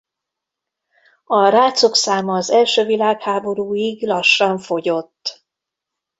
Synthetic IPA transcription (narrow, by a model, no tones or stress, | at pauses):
ɒɾaːt̪so̞ksaːmɒːzɛlʃøːvilaːkhaːbo̞ɾuːiɡlɒʃːɒɱfo̞ɟo̞t̪ː